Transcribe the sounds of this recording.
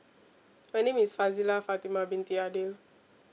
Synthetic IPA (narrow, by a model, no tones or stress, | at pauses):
majnẽmisfazilafat̪imabĩnt̪iadil